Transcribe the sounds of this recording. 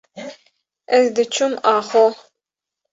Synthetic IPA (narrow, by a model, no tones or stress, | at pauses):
ɛzd̪ɨt͡ʃʰumaːχɔ